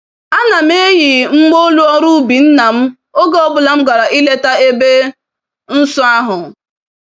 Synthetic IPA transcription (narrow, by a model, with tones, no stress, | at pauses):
a˦na˨m̩˦e˦ji˨ŋ͡m̩˦ɡ͡bo˦lu˦ɔ˦ɾu˦bi˨n̩˦na˨m̩˦ | o˦ɡɔ˦˨bʊ˨la˨m̩˦ɡa˨ɾa˨ʔi˦le˦ta˦e˦be˦ | n̩˦sɔ˦a˦ɦʊ˨